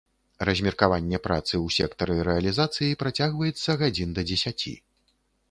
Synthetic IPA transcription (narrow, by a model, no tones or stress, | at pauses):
rɐzʲmʲɛrkavanʲːɛpɾa̰t̪sɨwsʲɛkt̪ɐɾɨɾɛɐlʲizat̪sɨjipɾat͡sʲaɣvɐjɛt̪sːɐɣad͡zʲind̪ɐd͡zʲɛsʲat͡sʲḭ